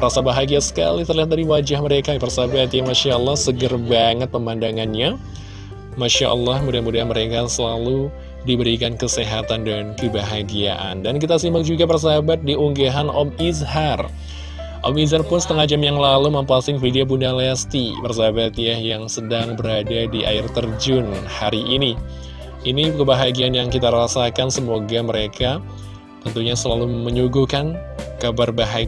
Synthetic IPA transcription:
ɾasabaɦaɡiasə̥ka̰lit̪ərliat̪̚dadiwad͡ʒahməɾekapərsaabat̪ijamaʃaɔlːɔhsəɡərbaŋət̪̚pəmandaŋanɲa | maʃa̰ʔə̰lːɔhmudanmudaɦanməɾekasəlalu | dibəɾikankəseɦat̪andankəbaɦaɡia̰ʔa̰ndankit̪asimbak̚d͡ʒuɡapərs̬aɦabat̪̚diuŋɡaɦanʔɔmizɦar | ʔɔ̰mizarpʊnsə̥t̪əŋahd͡ʒamjaŋlaluməmpasɪŋfidiobundaleast̪ipərsaabat̪jahjaŋsədaŋbəɾadadiʔa̰ɪrt̪ərd͡ʒʊnhaɾiʔːni | inikəbaɦaɡianjaŋkit̪aɾasakansəmoɡaməɾeka | t̪ənt̪uɲasəlaluməɲuɡukankabarbaɦa

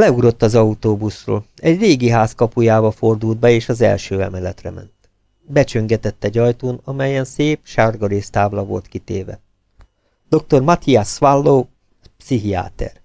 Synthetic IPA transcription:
lɛuɾo̞t̪ːɒzɒut̪oːbusro̰ːl | ɛɟreːɡiɦaːskɒpujaːbɒfo̞rd̪uld̪̚bɛeːʃɒzɛ̰lʃøːɛ̰mɛlɛt̪rɛ̰mɛ̰nt̪ | bɛt͡ʃøŋɡɛt̪ɛt̪ːɛɟɒjt̪oːnɒmɛjɛnseːpʃarɡɒɾeːst̪aːblɒvo̞̰lt̪kit̪eːvɛ̰ | d̪̥o̞k̚t̪o̞rmɒt̪iasʋalːoː | psiɦia̰ːt̪ɛ̰r

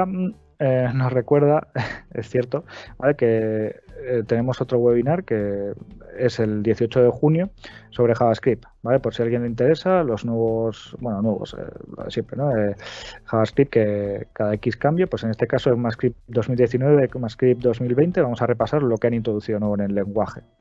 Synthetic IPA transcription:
eno̞sre̞kwe̞ɾð̞aesθje̞ɾt̪o̞bale̞ke̞ | t̪e̞ne̞moso̞t̪ɾo̞ɣwe̞βinaɾke̞ | e̞se̞ld̪je̞θiot͡ʃo̞ðexunjo̞so̞βɾe̞xaβaskɾip | bale̞po̞ɾsialɣje̞nleint̪e̞ɾe̞salo̞znwe̞βosbwe̞nonwe̞βo̞̰sḛlo̰ðe̞sje̞mpɾe̞̰noexaβaskɾip̚kekaðaekiskambjopwe̞se̞ne̞st̪e̞kasoemaskɾipd̪o̞zmild̪jeθinwe̞βemaskɾip̚d̪o̞zmilβe̞jnt̪e̞βamo̞sare̞pasaɾlo̞keanĩnt̪ɾoðuθiðonweone̞lːe̞ŋɡwaxe

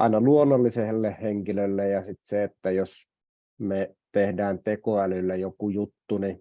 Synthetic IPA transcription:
ɑ̰ˑinɑluonːolːiselːehheŋkilølːejɑsit̪seet̪ːæjos | me | t̪ehdæːnt̪ekoælylːæjokujut̪ːuni

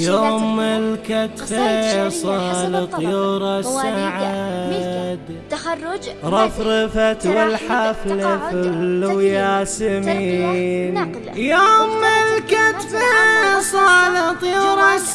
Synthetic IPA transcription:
jomɪlkat̪fasˤɑlt̪ˤjuːɾasːaʕa | d̪ | ɾˤɑfɾɪfat̪wɪlħaflɪfwjaːsɪmiːn | joːmːɪlkat̪fasˤɑlɪt̪ˤjuːɾas

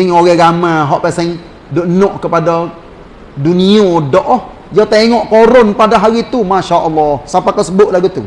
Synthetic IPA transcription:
ɪŋoɣɛɡamaɦɔʔpɛsɛŋ | doʔnoʔkəpada | duniodɔʔɔh | jat̪eŋɔʔkoɾʊnpadaɦaɾit̪umaʃaʔəlːɔhsapakasəbʊʔlaɡut̪ṵ

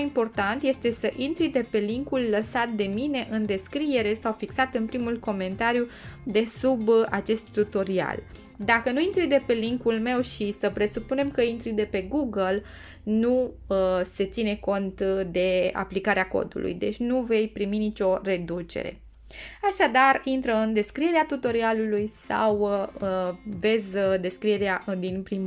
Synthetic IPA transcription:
impo̞rt̪ant̪je̞st̪e̞səʔint̪ɾijd̪e̞pe̞liŋkulːəsat̪̚d̪e̞mine̞ʔɨnd̪e̞skɾie̞ɾe̞sawfiksat̪ɨnpɾimulko̞me̞nt̪aɾjud̪e̞subat͡ʃe̞st̪ːut̪o̞ɾia̰l | d̪akənuint̪ɾɨjd̪e̞pe̞liŋkulme̞wʃisəpɾe̞supune̞mkəint̪ɾid̪e̞pe̞ɡuɡəl | nuəse̞t̪sine̞ko̞nt̪d̪e̞a̰plikaɾeako̞̰d̪ṵlʔṵjd̪e̞t͡ʃʲnuve̞jpɾiminit͡ʃʲo̞re̞d̪ut͡ʃe̞̰ɾe̞̰ | aʃad̪arint̪ɾəɨnd̪e̞skɾie̞ɾeat̪ut̪o̞ɾialulujsa̰w | ve̞zʲd̪e̞skɾie̞ɾeaʔɨd̪inpɾim

